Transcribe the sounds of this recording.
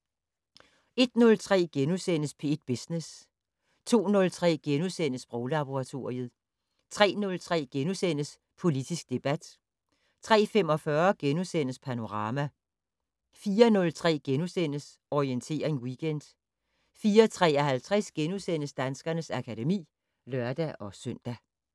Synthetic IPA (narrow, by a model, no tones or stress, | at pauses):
e̝d̥nɔ̽lt͡sʰʁɛ̰ːɡ̥enusen̰əspʰe̝ed̥̚b̥isnes | t͡sʰo̝̰ːnɔ̽lt͡sʰʁɛ̰ːɡ̥enusen̰əsb̥ʁɔʊlɑ̈b̥o̝ʁɑ̈t͡sʰo̝̰ɐ̰iəð̩ˠ | t͡sʰʁɛ̰ːnɔ̽lt͡sʰʁɛ̰ːɡ̥enusen̰əs | pʰo̝lid̥isɡ̥̚d̥e̝b̥æd̥ | t͡sʰʁɛ̰ːfem̰ɒ̽fɶɐɡ̥enusen̰əspʰæno̝ʁɑ̈ːmæ | fiːɐnɔ̽lt͡sʰʁɛ̰ːɡ̥enusen̰əs | ɒient͡sʰe̝̰ːɐʁeŋwiɡ̥ʰend̥ | fiːɐt͡sʰʁɛ̰ːɐɦælt͡sʰʁɛsɡ̥enusen̰əsd̥ænsɡ̥ɐnəsækʰædemḭː | lɶɐd̥æʔɒ̽søn̰d̥æ